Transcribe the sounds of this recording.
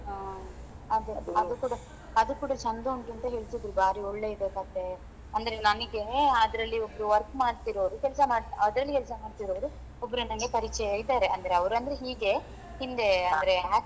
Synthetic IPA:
aː | ɐd̪uɐd̪ukuːɽɐ | ɐd̪ukuːɽɐt͡ʃɐnd̪oɳʈuɐnt̪ɐɦeɭit̪id̪ɾubaːɾiɔɭːe̞id̪ekɐt̪ːe̞ | ɐnd̪ɐɾe̞nɐnɐɡe̞ɐd̪ɐɾɐlːiobɐɾuʋɐɾkmaːɖt̪iɾoːɾukɛlsɐmaːɽɐd̪ɐɾɐlːikɛlsɐmaːɖt̪iɾoːʋɾu | obɐɾunɐŋɡe̞pɐɾit͡ʃːɛjɐjid̪aːɾeɐnd̪ɐɾeɐʋɐɾuɐnd̪ɐɾeɦiːɡe̞ | hind̪e̞ɐd̪ɐɾea

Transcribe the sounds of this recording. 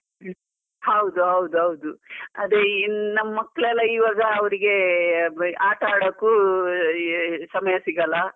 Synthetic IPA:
hɐwd̪uɦɐwd̪uɦɐwd̪uɐ̰d̪enɐmːɐmːɐkːɐɭɛlːɐiːʋaːɡɐːʋɐɾiɡe̞ | aːʈɐaːɽɐkːuː | sɐmɐjɐsiɡɐlːɐ

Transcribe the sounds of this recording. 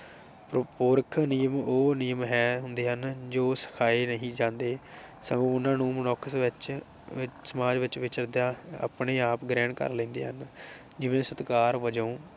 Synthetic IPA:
ppoːɾkʰnijəmoːnijəmɦɛːɦʊnd̪eːɦənd͡ʒoːsə̥kʰaːeːnəɦĩːd͡ʒãːnd̪eː | səŋɡõːʊnãːnũːmənɔːkəsʋɪt͡ʃ | ɪsəmaːd͡ʒʋɪt͡ʃʋɪt͡ʃəɾd̪jaːa̰ːpɳeːaːpɡɾɛːɳkə̰ɾlẽːnd̪ḛːɦən | d͡ʒɪʋẽːsət̪kaːɾʋəd͡ʒõː

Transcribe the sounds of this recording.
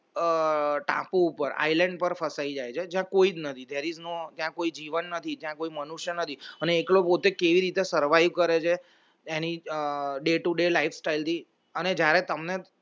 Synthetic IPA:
ʈã̰poupəɾa̰ilẽɳɖ̚pəɾfəsaid͡ʒajt͡ʃʰed͡ʒjãkoid͡ʒnət̪ʰid̪eɾiznot̪jãkoid͡ʒiʋənːət̪ʰid͡ʒjãkoimənuʃjənət̪ʰiəneːklopot̪ekeʋiɾit̪esəɾʋajʋkəɾet͡ʃʰe | eniɖeʈuɖelaifʰsʈailt̪ʰi | əned͡ʒjaɾet̪əmne

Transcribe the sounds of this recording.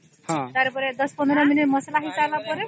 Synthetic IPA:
hãt̪aɾepɔɾed̪ɔspɔnd̪ɔɾɔminiʈmɔsalaɦit͡ʃalapɔɾe

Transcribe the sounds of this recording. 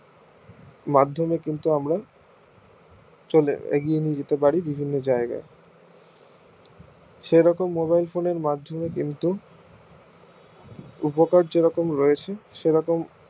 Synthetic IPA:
mad̪ʱːomekint̪uamɾa | t͡ɕolḛḛɡienid͡ʑet̪epaɾibibʱinːod͡ʑaeɡa̰e | ʃeɾɔkomːoβajlfoneɾmad̪ʱːomekint̪u | upokaɾd͡ʑeɾɔkomɾɔet͡ɕʰeʃeɾɔkom

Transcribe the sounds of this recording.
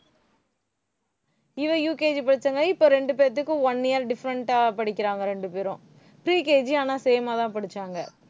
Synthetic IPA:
ɪʋɐ̃juːkeːd͡ʒpɐɽɯt͡ʃːɐŋɡɐɪpːoːɾɛɳɖɯpeːɾɐt̪̬ːɯkːɯ̃ɐnːɪjɐɾɖɪfɐɾɐɳʈaːpɐɽɪkʲːɪɾaːŋɡɐɾɛɳɖɯpeːɾɔ̃ | pɾiːkeːd͡ʒiaːnaːsɛjɐmaːt̪ãːpɐɽɯt͡ʃːaːŋɡɐ

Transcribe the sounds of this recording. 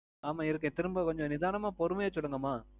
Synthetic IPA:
aːmaːɪɾɯk̬ːẽt̪ɪɾɯmbɐkɔɲd͡ʒɔ̃nɪðaːnɐmaːpɔɾɯmɐjɐsɔlːɯŋɡɐmaː

